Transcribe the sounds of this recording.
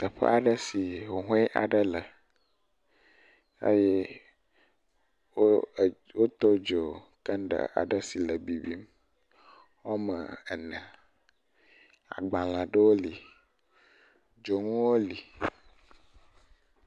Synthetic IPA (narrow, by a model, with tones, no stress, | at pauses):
t̪ə˨ɸə̰˦a˨ɖə˦si˨wo˨ɦũ˦ʔa̰˨ɖə˦lə˨ | ḛ˦jɛ˦ | wo˦˨ | wo˦t̪ɔ˦d͡ʒo˨kə˦n˦ɖə̰˨a̰˨ɖə˦si˨lə˨bi˨bi˦m | wo˦mə̰̃˨ə˨nə̃˨ | a̰˨ɡ͡bã˨l̃ã˨ɖə˦wo˦li˨ | d͡ʒo˨ŋũ˦wo˦li˨